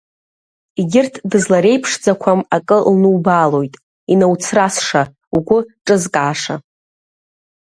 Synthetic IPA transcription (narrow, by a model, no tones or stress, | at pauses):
iɡʲɪrtʰdɨzlaɾe̞jpʰʂd͡zakʷʰamakʼɨlnɨwbaːlo̞jtʼ | inawt͡sʰrasʂa | uɡʷʊʈ͡ʂʼɨzkʼaːʂa̰